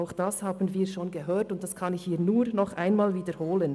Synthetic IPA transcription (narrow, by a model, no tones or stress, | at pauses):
aʊxd̥ashaːbən̩viːʃoːnɡəɦøːtʊntd̥askʰɑnɪçhiːnuːɾnɔχʔaɪnmaːlviːdəɾhoːlən